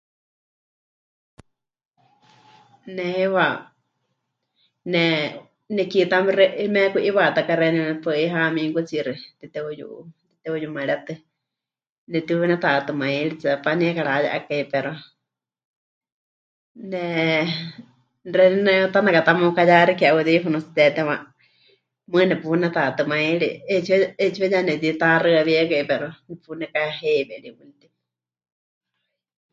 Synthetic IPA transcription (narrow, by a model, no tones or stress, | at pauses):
nɛhɛwa | nɛ | nɛkit̪amiɾɛmɛkuʔiwat̪akaɾɛninɛpɨiɦamĩŋkut͡siɾit̪it̪ɛujṵʔt̪it̪ɛujumaɺat̪ɨ | nɛt̪iinɛt̪at̪ɨmãiɺit͡sapaniɛkaɺaja̰ʔa̰kaipɛɾa | nɛ | rɛninɛt̪anakat̪amokajaɾikiauðifunut͡si̥t̪ɛt̪ɛwa | mɨnɛpunɛt̪at̪ɨmãiɺḭet͡ʃʰiet͡ʃiwɛjanɛt̪it̪arɨaβiɛkaipɛɾonɛpunɛkaɦeβɛɺiunit̪i